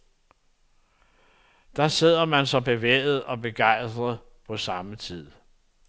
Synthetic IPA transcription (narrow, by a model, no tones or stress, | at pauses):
d̥ɑ̈se̝ð̞̰ˠɐmænsɒ̽b̥e̝ʋḛːð̩ˠɒ̽be̝ɡ̥ɑ̈ɪ̰sd̥ʁɐðˠ | pʰɒ̽sɑ̈mət͡sʰið̰ˠ